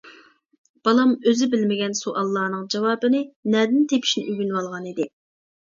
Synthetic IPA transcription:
b̥ɑlˠɑmøzɪbɪlmɪɡʲɛnsuʔɑlˠːɑːnɨŋd͡ʒɑwɑːbɨnɪnɛd̪ɪnt̪ʰepʰi̥ʃnɪʔyɡʲynwɑlˠʁɑnid̪ɪ

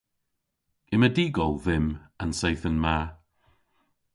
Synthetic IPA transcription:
ɪmədɪɡɔlˠðɪmənsajθənma

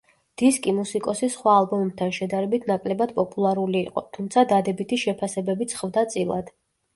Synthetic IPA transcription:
d̪̥iskʼimusikʼɔsisχwaːlˠbɔmɛb̚t̪ʰanʃɛd̪aɾɛbit̪ʰnakʼlɛbad̪pʼɔpʼulˠaɾuliːqʼɔt̪ʰumt̪sʰad̪ad̪ɛbit̪ʰiʃɛpʰasɛbɛbit̪sʰχvd̪at̪sʼilˠa̰d̪̥

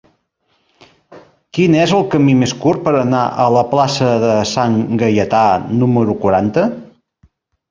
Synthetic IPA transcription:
kinɛzəlˠkəmimeskuɾ̚pəɾənaʔələplasəðəsaŋɡəjət̪anuməɾukwuɾant̪ə

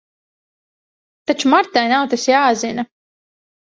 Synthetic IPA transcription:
t̪at͡ʃumaɾt̪ajnawt̪asjaːzinɐ

